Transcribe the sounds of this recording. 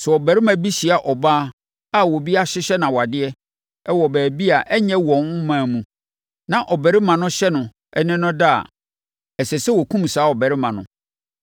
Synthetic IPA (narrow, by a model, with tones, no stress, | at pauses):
sɛ˨ɔ˨bæ˨ɾɪ˦mã˨bi˦ɕi˨a˨ʔɔ˨baː˦ | a˦wɔ˨bi˦a˦ɕɪ˦ɕɛ˦nã˨wɔ˨a˨dɪ˦ɛ˦ | ɛ˦wɔ˨bæː˨bi˦a˨ʔɛ˦ɲɛ̃˦wɔ̃˨ŋ˦mãː˨mũ˨ | nã˨ʔɔ˨bæ˨ɾɪ˦mã˨nʊ̃˦ɕɛ˦nʊ̃˨ | ɛ˦nɪ̃˦nʊ̃˦da˦a̰˨ | ɛ˨sɛ˨sɛ˦wo˨kʰũ˦m˨saː˨˦ɔ˨bɛ˨ɾɪ˦mã˨nʊ̰̃˨